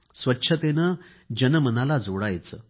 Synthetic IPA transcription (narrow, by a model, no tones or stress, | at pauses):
sʋətːɕʰət̪enə | d͡ʑənəmənalad͡zʱoɽajt͡sə̰ː